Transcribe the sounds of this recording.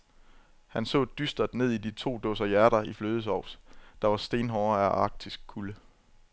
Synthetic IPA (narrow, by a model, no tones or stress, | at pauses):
hænsɔ̰̽ːd̥ysd̥ɐd̥ne̝ð̰ˠidit͡sʰo̝̰ːd̥ɔsɐjæɐɾ̥ɐifløːð̞ˠəsɒʊ̰sd̥ɑ̈ʋɑ̈sd̥e̝ːnɦɒʊɐæʔɑ̈ːɡ̥̚d̥ʰisɡ̥̚kʰulə